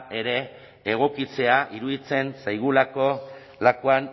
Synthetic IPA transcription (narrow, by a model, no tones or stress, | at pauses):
e̞ɾe̞ː | ɣ̞o̞kit͡se̞aʔiɾuðit͡se̞nsajɣ̞ulako̞ | lakoan